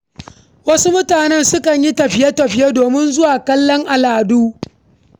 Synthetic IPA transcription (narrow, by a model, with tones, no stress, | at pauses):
wɐ˦su˦mʊ˦taː˨nɛ˦nsʊ˦kɐ˨ɲji˦tɐ˨ɸɪ˦ja˦tɐ˨ɸɪ˦je˦doː˨mɪ˦nzʊ˦waː˨kɐ˦lːɔ˦ŋʔa˨laː˨duː˦